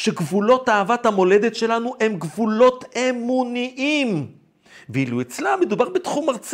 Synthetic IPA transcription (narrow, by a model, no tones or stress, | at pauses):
ʃe̞ɡvulo̞taːvat̪hamo̞le̞d̪e̞tʃe̞lanuʔe̞mɡvulo̞t̪e̞muniʔim | veiluet͡slamed̪ubaʁbet̪χumaʁt͡s